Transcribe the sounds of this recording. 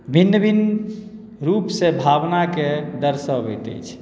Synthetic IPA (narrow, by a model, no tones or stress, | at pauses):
bʱinːəbin | ɾupsebʱabnaked̪əɾsəbɛ̰t̪ə̰jt͡ʃʰ